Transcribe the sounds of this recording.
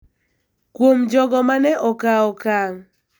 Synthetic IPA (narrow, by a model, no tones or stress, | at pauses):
kwomd͡ʒɔɡɔmanɛʔɔkaɔkaŋ